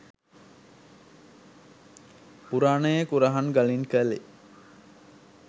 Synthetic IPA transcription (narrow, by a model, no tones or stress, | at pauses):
puɾaːnəjəkuɾaɦanɡalinkəlḛ